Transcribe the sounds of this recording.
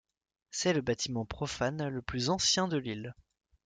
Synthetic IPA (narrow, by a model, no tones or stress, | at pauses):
sɛləbat̪imɑ̃pχɔfanləplyzɑ̃sjɛ̃d̪əlil